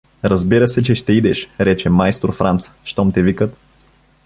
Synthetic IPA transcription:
ɾɐzbiɾəsɛt͡ʃɛʃt̪ɛid̪ɛʃɾɛt͡ʃɛmajst̪oɾfɾant̪sʃt̪ɔmt̪ɛvikət̪

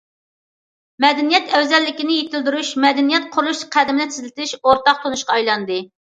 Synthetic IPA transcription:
mɛd̪ɛnijɛt̪ɛwzɛlːɪkʲinɪjet̪ʰɪld̪yɾuʃmɛd̪ɛnijɛt̪̚qʰʊɾulˠuʃqʰæd̪ɪmɪnɪt̪ʰɪzlɪt̪ɪʃoɾt̪ɑq̚t̪ʰonuʃqɑɑjlˠɑnd̪ɨ

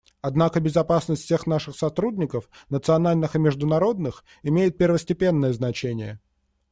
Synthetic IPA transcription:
ɐd̪nakəbʲɪzɐpasnəsʲtʲfsʲe̞xn̪aʂɨxsɐt̪ɾudʲnʲɪkəfnət̪sɨɐnalʲnɨxɨmʲɪʐd̪ʊnɐɾo̞d̪nɨx | ɪmʲejɪt̪̚pʲɪrvəsʲtʲɪpʲe̞nːəjəznɐt͡ɕenʲɪjə

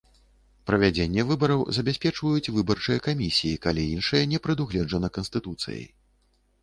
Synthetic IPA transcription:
pɾɐvʲad͡zʲenʲːɛvɨbɐɾɐwzɐbʲasʲpʲɛt͡ʂvɐjut͡sʲvɨbɐrt͡ʂɨjɐkamʲisʲijikalʲiinʂɨjɐnʲɛpɾɨd̪uɣlʲɛd͡ʐɐnɐkɐnsʲt̪ɨt̪ut̪sɨ̰j̰j

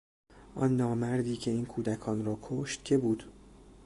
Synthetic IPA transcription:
ʔɒ̰nːɒːmæɾd̪iːcʰe̞iːnkʰuːd̪ækʰɒːnrɒːkʰoʃt̪cʰe̞buːd̪̥

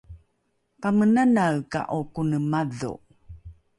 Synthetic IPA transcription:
pamənanaɭka̰ʔokunəmaðṵ

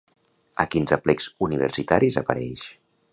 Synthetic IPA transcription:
əkinzəplɛkzuniβ̞ə̰ɾsit̪aɾizapəɾɛʃ

